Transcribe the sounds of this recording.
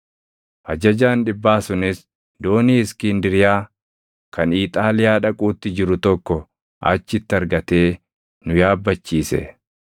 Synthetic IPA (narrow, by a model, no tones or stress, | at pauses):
ʔɐd͡ʒɐd͡ʒaːnᶑɪbːaːsʊnɪs | d̪o̞ːniːɪskɪnd̪ɪɾɪjaː | kɐniːt̪ʼaːlɪjaːᶑɐkʼuːt̪ːɪd͡ʒɪɾʊt̪ɔkːɔ | ʔɐ̰t͡ʃːɪt̪ːɪɐɾɡɐt̪e̞ː | nʊjaːbːɐt͡ʃːiːsɛ̰